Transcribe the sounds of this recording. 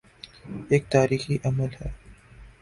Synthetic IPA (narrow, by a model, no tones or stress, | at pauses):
eːk̚t̪aːɾiːxiʔɐməlhɛː